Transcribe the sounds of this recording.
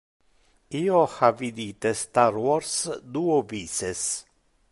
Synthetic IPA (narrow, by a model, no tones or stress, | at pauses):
iːohavid̪it̪est̪aɾwɔɾsd̪uːoviːses